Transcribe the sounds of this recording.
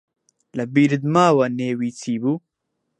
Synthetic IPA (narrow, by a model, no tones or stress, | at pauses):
lɐbiːɾɨd̪maːwɐneːwiːt͡sʰiːbuː